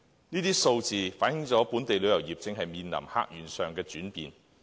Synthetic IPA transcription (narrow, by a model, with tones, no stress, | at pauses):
niː˥t̪iː˥so˧wt͡siː˨faː˨˥njɪ˨˧˥ŋt͡sɔː˨˥puː˨˥nt̪e˨jlɵ˨ɥjɐ˨˩wjiː˨p̚t͡sɪ˨ŋɦɐ˨jmiː˨nlɐ̰˨˩mha̰ː˥k̚jyː˨˩nsœː˨˩ŋkɛː˧t͡ʃyː˨˥npḭː˨˩n